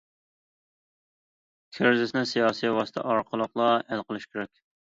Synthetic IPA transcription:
kʲʰeɾzɪsnɪsijɑːsijwɑsɨ̥t̪ʰɛ̰ʔɑɾqʰəlˠəqlˠɑælqəlˠɨʃkʲeɾɛkʲ

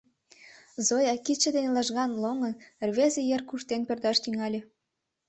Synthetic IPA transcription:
zojɑkit͡ɕĕd̪enelɑʒɣɑnloŋɤ̆nrβezĕjerkuʃt̪enpĕrd̪ɑʃt̪yŋɑlʲĕ

